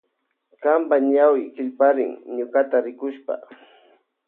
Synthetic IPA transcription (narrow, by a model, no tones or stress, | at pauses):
kampaɲawɪkɪʎpaɾɪŋɲʊkat̪aɾɪkʊʃpa̰